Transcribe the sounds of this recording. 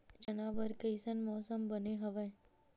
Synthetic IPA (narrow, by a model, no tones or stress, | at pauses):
d͡ʒɐnaːbəɾkəɪsənmɔːsəmbəneɦɐʋə